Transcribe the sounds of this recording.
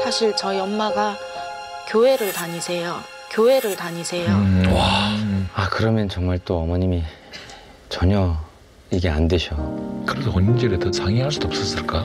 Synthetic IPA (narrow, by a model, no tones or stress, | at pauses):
sʰaɕʰiɭt͡ɕʌiʌmːaɡa | kjoɦe̞ɾɯɭtaɲisʰejokjoɦe̞ɾɯɭtaɲisʰe̞jowa | akɯɾʌmjʌnt͡ɕʌŋmaɭt͈oʌmʌɲimi | t͡ɕʌɲʌ | iɡe̞andwe̞ɕʰʌkɯɾesʰʌʌnind͡ʑeɾetʌt͡ɕaŋiɦaɭs̬͈ud̥oʌp̚s͈ʌs͈ɯɭk͈a